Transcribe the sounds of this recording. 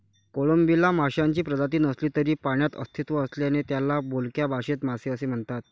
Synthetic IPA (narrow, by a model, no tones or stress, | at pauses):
koɭombilamaɕjaɲt͡ɕiːpɾəd͡z̪at̪̬iːnəsliːt̪əɾiːpaɳjat̪ə̰st̪ʰit̪ʋəəsljanet̪jalːabolkjabʱaɕet̪m̤aseəsem̤əɳt̪at̪̚